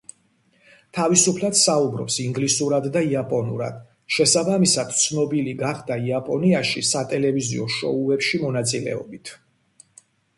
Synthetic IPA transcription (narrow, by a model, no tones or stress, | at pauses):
t̪ʰavisupʰlˠad̪saubɾɔ̰psiŋɡlisuɾad̪ːaiapʼɔnṵɾa̰d̪̥ | ʃɛsabamisad̪̥̚t̪sʰnɔbiliɡaχd̪aiapʼɔniaʃisat̪ʼɛlɛvizḭɔʃɔ̰uɛpʃimɔnat̪sʼilɛ̰ɔbit̪ʰ